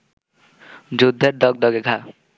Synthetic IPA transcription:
d͡ʒud̪ʱːəɾd̪ɔɡ̚d̪ɔɡeɡʱa

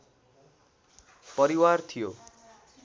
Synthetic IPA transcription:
pʌɾiwart̪ʰijo

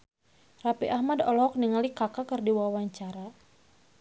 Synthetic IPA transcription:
rapiʔahmadɔlɔɦɔk̚niŋalikakakɨrdiwawaɲt͡ʃaɾa

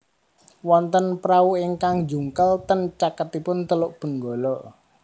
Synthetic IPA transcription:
wɔnt̪ənpɾauiŋkaŋd͡ʒuŋkəlt̪ənt͡ʃakət̪ipʊnt̪əlʊʔb̥ə̤ŋɡolɔʔ

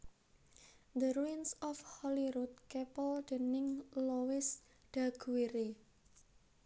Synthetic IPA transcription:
d̪əɾuinsɔfhɔliɾut̪̚kɛpəld̪̥ənɪŋlowɪs | ɖ̥aɡ̥uwiɾe

